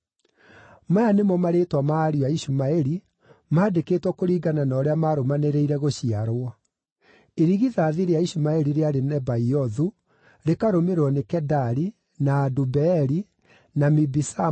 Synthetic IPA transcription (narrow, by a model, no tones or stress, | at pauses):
majanemɔmaɾeːtwamaːɾiaiɕumaeɾi | maːdekeːtwɔkoɾiːɡananɔːɾeamaɾomaneɾeiɾɛɣoɕiaɾwa | eɾiɣiðaːðiɾeaiɕumaɛɾiɾeaɾenɛbaiɔðu | ɾekaɾomeɾɔnekɛdaɾi | naːdubɛːɾi | namibisa